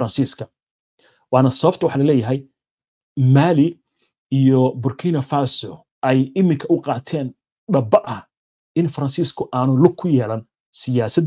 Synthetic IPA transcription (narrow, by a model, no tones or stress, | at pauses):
ɾɐnsiːskʰɐ | wɑːnɐsɐβɐb̚t̪ʰɐwɑħɑːlɐlɛːjɐɦɛj | maːlɪ | ijɔbʊrkʰiːnɐfaːsɔ | ʔɛjɪmɪŋkʰɐʔʊqɑːt̪ʰɛːn | ɖɐbɐʔɐh | ɪnfɐɾɐnsiːskʰʊʔaːnʊlʊɡ̚kʰːʊjɛːlɐn | sɪjaːsɐd̪